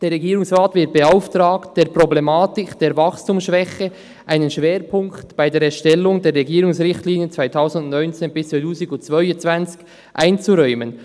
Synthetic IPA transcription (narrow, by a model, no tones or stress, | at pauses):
d̥eːɾʁɛɡiːɾʊŋsʁaːtvɪɐt̚b̥eaʊftɾaːktd̥eːɾproblemaːtɪkd̥eːɾvɑxstuːmsʃvɛxə | ʔaɪnənʃveːɾpʰʊŋktb̥aɪdeːɾɛʃtɛlːʊŋdeːɾːɛɡiːɾʊŋsʁɪxtliːnjət͡sv̥aɪtʰaʊsn̩dʊnnɔʏnt͡seːnbɪst͡satuːsiɡʊt͡svœʏt͡sv̥ant͡sɪ̥ç̥ | ʔaɪnt͡suɾɔʏmən